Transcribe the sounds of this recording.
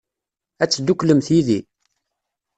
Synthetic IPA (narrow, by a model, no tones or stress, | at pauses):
æt͡sːd̪ukləmθjiði